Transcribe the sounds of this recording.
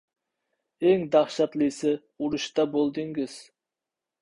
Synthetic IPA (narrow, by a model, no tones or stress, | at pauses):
eŋd̪ɑχʃɑt̪lˠɨsɨ | uɾuʃt̪ɑbolˠd̪ɨŋɡɪz̥